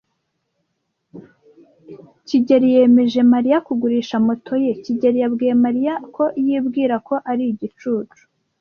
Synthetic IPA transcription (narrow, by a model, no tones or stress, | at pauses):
ciɟeɾije̞me̞ʒe̞maɾijakuɡuɾiːʃamotʰo̞je̞ciɟe̞ɾijabɡiemaɾijakʰo̞ʔjibɡiːɾako̞ʔaɾiɟit͡ʃuːt͡ʃu̥